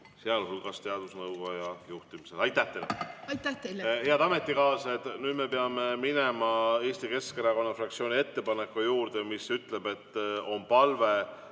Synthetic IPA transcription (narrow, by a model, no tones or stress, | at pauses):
seɑlɦulɡɑst̪eɑd̪̥usnɤwɡojɑjuht̪imise̞lɑjt̪ːˑæht̪eleɑjt̪ːæt̪elheɑd̪̥ɑme̞t̪ːˑikɑːset̪nyːd̪me̞peɑme̞mine̞mɑe̞ːst̪ike̞skeɾɑko̞nːɑfrɑk̚t̪sio̞ːnʲie̞t̪ːe̞pɑnekːujuːɾd̪̥emisyt̪ˑle̞be̞t̪ːˑo̞mpɑlve